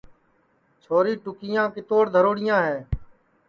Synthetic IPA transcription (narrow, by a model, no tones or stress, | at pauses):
t͡ʃʰoːɾiːʈʊkɪjãːkɪt̪oːɾd̪ʱəɾoːɽɪjãːɦɛː